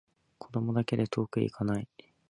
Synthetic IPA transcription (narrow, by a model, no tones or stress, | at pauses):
kʰo̞d̪o̞mo̞d̪ake̞d̪e̞t̪ʰo̞ːkɯ̟ḭkʰanai